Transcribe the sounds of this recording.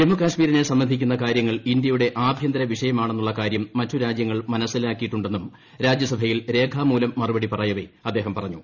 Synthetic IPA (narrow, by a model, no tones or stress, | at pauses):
d͡ʑemːukaːʂmiːɾɐnesɐmːɐnd̪ʱikʲːunːɐkaːɾjɐŋːɐɭind̪jɐjuɽe̞ʔaːbʱjɐnd̪ɐɾɐʋiʂɐjɐmaːɳenːuɭːɐkaːɾjɐmːɐtːuɾaːd͡ʑjɐŋːɐɭmɐnɐsːilaːkːijiʈːuɳɖenːum | ɾaːd͡ʑjɐsɐbʱɐjilɾe̞ːɡʰʱaːmuːlɐmːɐrubɐɽipɐrɐjɐʋeɐd̪ːeɦɐmpɐrɐɲːu